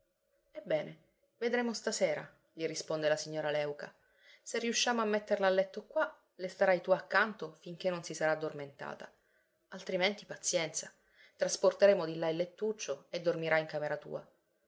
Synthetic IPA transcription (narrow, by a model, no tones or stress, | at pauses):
ebːɛːne | ved̪ɾeːmost̪aseːɾa̰ | ʎirispond̪elasiɲːoːɾalɛwka | serːiuʃːaːmoamːet̪ːerlaːlːɛt̪ːokwa | lest̪aɾajt̪uakːant̪ofiŋk̟enːonsisaɾaːd̪ːorment̪a̰ːt̪a | alt̪ɾiment̪ipat̪sjɛnt̪sa | t̪ɾasport̪eɾeːmod̪ilːailːet̪ːut͡ʃːoed̪ːormiɾʔaiŋkameɾat̪ṵːa